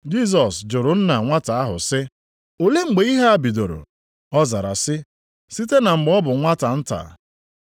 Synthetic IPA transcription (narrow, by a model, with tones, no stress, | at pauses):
d͡ʒi˦˨s̬ɔ˨sd͡ʒʊ˨ɾʊ˨n̩˦na˨ŋʷa˦ta˨a˦ɦʊ̰˨sɪ˦ | o˨le˦ŋ͡m̩˨ɡ͡be˨i˦ɦa˦a˨bi˨do˨ɾo̰˨ | ɔ˦za˨ɾa̰˨sɪ˦ | si˦te˦na˨ŋ͡m̩˨ɡ͡bɔ˦bʊ˨ŋʷa˦ta˨n̩˦ta̰˨